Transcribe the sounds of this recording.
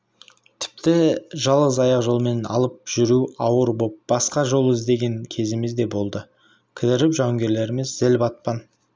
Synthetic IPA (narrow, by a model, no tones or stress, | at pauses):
t̪ʰɪ̥p̚t̪ɪʒɑlˠʁəzɑjɑqʒo̞lˠme̞nɑ̰lˠəp̚ʒ̥ʏɾuɑwəɾbo̞p̚b̥ɑsqɑʒo̞lˠəɪzd̪e̞ɡʲe̞ŋkʲʰe̞zɪmɪzd̪e̞bo̞lˠd̪ə | kʲʰɪd̪ɪɾɪpʒɑŋɡʲe̞ɾle̞ɾɪmɪzːælbɑt̪̚pɑn